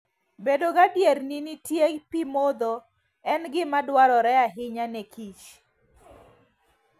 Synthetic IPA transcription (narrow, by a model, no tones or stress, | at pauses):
bedoɡadjeɾninitjepimod̪o | ɛnɡɪmadwaɾɔɾɛaɦɪɲanɛkʰit͡ʃ